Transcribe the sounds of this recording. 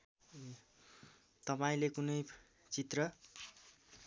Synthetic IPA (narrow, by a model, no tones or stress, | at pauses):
t̪ʌpaĩlekunʌj | t͡sit̪rʌ